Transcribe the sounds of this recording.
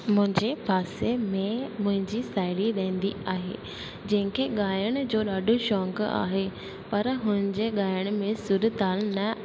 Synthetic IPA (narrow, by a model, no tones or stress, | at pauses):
mʊ̃ɦɪ̃ɲd͡ʑepaːsemẽmʊ̃ɦɪ̃ɲd͡ʑisaːɪɽiɗẽːnd̪iaːɦḛː | d͡ʑɐ̃ɦɪ̃ŋkʰeɠaːjəɽ̃d͡ʑoːɗaːɖʱoʃɔːŋɡa̰ːɦe | pɐɾɦʊnənɪ̆d͡ʑeɠaːjəɽ̃mẽsʊɾət̪aːlnɐ